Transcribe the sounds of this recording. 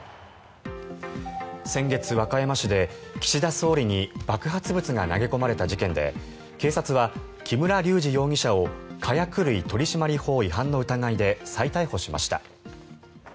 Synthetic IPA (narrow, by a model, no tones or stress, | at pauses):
sẽ̞ŋɡe̞t͡sɨβakajamaɕid̪e̞kʲi̥ɕid̪aso̞ːɾʲiɲ̟ib̥akɯ̟ɦat͡sɨbɯ̟t͡sɨɡana̰ɡe̞ko̞maɾe̞t̪aʑikẽ̞nd̪e̞̰ | ke̞ːsat͡sɨβa | kʲimɯ̟ɾaɾʲɨːʑijo̞ːɲ̟ʲiɕao̞kʰajakɯ̟ɾɯ̟it̪o̞ɾʲiɕimaɾʲiho̞ːiɦãnːo̞ɯ̟t̪aɡaid̪e̞sait̪aiho̞ɕima̰ɕi̥t̪a̰